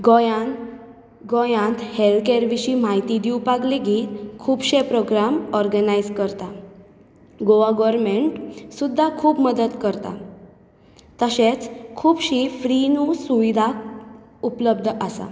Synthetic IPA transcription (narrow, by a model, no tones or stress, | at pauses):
ɡɔja | ɡɔjãnt̪helkeɾʋiɕim̤ajt̪id̪iupaɡleɡiːt̪kʰuːbɕepɾoɡɾamɔɾɡənajd͡zkəɾt̪a | ɡoʋaɡɔɾmeɳʈsud̪ʱːakʰuːpməd̪əd̪kəɾt̪a̰ | t̪əɕet͡skʰuːbɕifɾinusuʋid̪ʱa | upləb̚d̪ʱasa̰